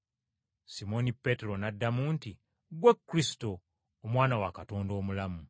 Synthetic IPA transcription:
simo̞nipːe̞teɾo̞nadːamunti | ɡwekːɾisi̥to̞ː | mwaːnawakatoːndo̞ːmulamu

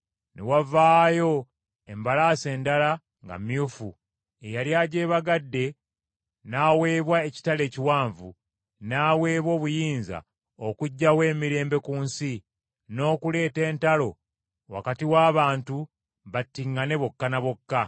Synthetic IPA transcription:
nḛwavaːjo̞ | e̞mbalaːse̞ːndala | ŋɡa̰mjufu | ejaljaːɟe̞ːβaɡadːe̞ | naːwe̞ːβwaeci̥tale̞ːciwaːɱvṵ | naːwe̞ːβwo̞ːβujiːnza̰ | okuɟːawe̞ːmiɾe̞ːmbe̞kuːnsi | no̞ːkule̞ːte̞ːntalo̞ | wa̰katiwaːβaːntu | βatːiŋːane̞βo̞kːanaβo̞kːa

